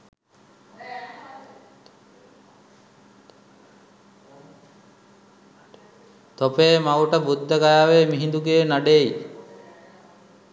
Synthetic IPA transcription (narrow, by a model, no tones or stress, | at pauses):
t̪opeːmauʈəbud̪ʱːəkajaːʋemiɦind̪uɡeːnaɖei